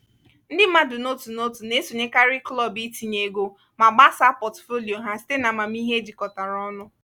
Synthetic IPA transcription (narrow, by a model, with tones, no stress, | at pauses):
n̩˦dɪ˦ma˦dʊ˨no˦tu˨no˦tu˨ne˦so˨ɲe˦ka˦ɾɪ˦klɔ˦˨bi˦ti˨ɲe˨ɡo˦ | ma˨ɡ͡ba˦sa˦pɔ˨tfo˦li˨o˨ɦa˦si̥˦te˦na˨ma˨m˦i˦ɦe˦d͡ʒi˨kɔ˨ta˨ɾɔ˦nʊ˦